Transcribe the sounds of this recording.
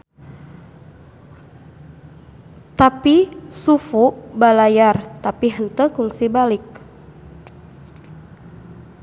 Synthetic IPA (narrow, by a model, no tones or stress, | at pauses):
t̪apisufuʔbalajart̪apiɦənt̪əkuŋsibalɪk̚